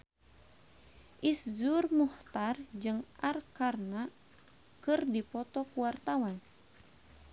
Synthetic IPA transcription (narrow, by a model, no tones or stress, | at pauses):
ʔisd͡ʒurmuht̪ard͡ʒɨŋarkarna | kɨrdipɔt̪ɔkuwart̪awan